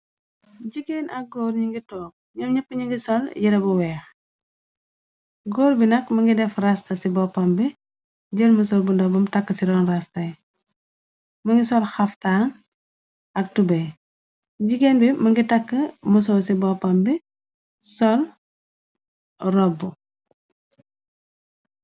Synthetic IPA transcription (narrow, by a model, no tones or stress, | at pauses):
ɟiɡeːnɐk̚ɡoːɾɲiŋɡitɔːk̚ɲɔmɲɐpːəɲiŋɡisɔljiɾɐbuwɛːx | ɡoːɾbinɐkmɐŋɡidɛfrastɐsibɔpɐmbi | ɟəlmus̬ɔːlbundɔbumtɐkːəsiɾɔːnrɐstɐj | mɐŋɡisɔlxɐftaːn | ʔɐk̚tubɛ | ɟiɡenbimɐŋɡitɐkːəmus̬ɔːsibɔpɐmbi | sɔl | rɔbːu